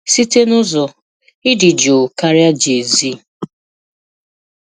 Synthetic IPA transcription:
si˦te˦nʊ˦zɔ˨ | ɪ˦dɪ˨d͡ʒo˨ka˦ɾja˦d͡ʒe˨zi˦

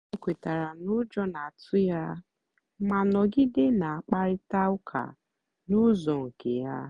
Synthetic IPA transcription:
e˦˨kʷe˨ta˨ɾa˨nʊ˦d͡ʒɔ˦na˨a˨tʊ˦ja˦ | ma˨nɔ˨ɡɪ˦dɪ˦na˨a˨k͡pa˦ɾɪ˦ta˦ʊ˦kʰa̰˨ | nʊ˦zɔ˨ŋ̩˨ke˨ja̰˦

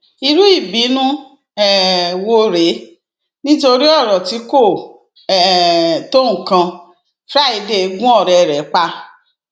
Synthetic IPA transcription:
i˧ɾu˦i˦˨bi˨˦nũ˦ | ɛ˨wo˧ɾe˨˦ | nĩ˦to˧ɾi˦ɔ˦˨ɾɔ˨ti˨˦ko˦˨ | ɛ˨tõ˦ũ˦˨kã˧ | fɾa˦i˧de˧ɡũ˦ɔ˦˨ɾɛ˧˨ɾɛ˨˦k͡pa˧

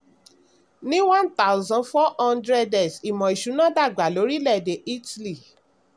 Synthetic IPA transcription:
nĩ˦wã˦nt̪a˦wzɔ̃˧˨nfɔ˦ɔ̃˦ndɾɛ˦dɛ˨si˨mɔ̃˨i˨ʃu˨˦nã˦da˦˨ɡ͡ba˨lo˨˦ɾi˦lɛ˦˨de˨ʔi˦tli˨

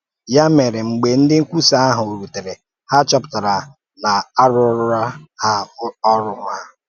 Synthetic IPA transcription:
ja˦me˨ɾɪ˨ŋ͡m̩˨ɡ͡be˨n̩˦dɪ˦ŋ̩˦kʷu˦sa˨a˦ɦʊ˨o˨ɾu˨te˨ɾe˨ | ha˦t͡ʃɔ˦pʊ̥˨ta˨ɾa˨ | na˨a˦ɾʊ˦ɾʊ˦ɾa˦ha˦ɔ˦ɾʊ˦ŋʷa˦

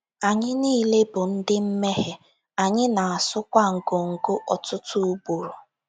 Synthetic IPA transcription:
a˨ɲɪ˦niː˦le˦bʊ˨n̩˦dɪ˦m̩˦me˦ɦe˨ | a˨ɲɪ˦na˨a˨sʊ˦kʷa˦ŋ̩˨ɡo˨ŋ̩˨ɡo˦ʔɔ˨tʊ˦tʊ˦ʊ˦bo˨ɾo˨

